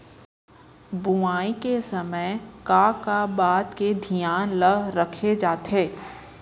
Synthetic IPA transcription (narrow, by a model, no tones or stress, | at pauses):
buaːikesɐməjkaːkabaːt̪ked̪ʱijaːnləɾəkʰed͡ʒaːt̪eː